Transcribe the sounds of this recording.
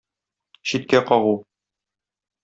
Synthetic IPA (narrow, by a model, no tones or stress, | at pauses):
ɕit̪̚kæqɒʁu